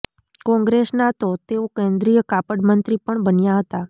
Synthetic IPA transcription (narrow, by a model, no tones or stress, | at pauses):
kɔ̃ŋɡɾesnat̪ot̪eokɛ̃nd̪ɾijəkapəɽmənt̪ɾipəɳbənjaɦət̪a